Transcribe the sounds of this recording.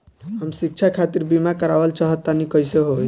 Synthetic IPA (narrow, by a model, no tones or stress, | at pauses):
ɦəmsik̚t͡ʃʰakʰat̪iɾbimakəɾaʋəlt͡ʃaɦət̪ːanikəjseɦoj